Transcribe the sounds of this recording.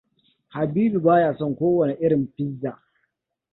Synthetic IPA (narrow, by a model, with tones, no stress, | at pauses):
ha˨biː˦bi˨baː˦jaː˨sɔ˦ŋkʷoː˦wɐ˨ne˨ʔɪ˦ɽɪ˨mɸɪ˦zːaː˨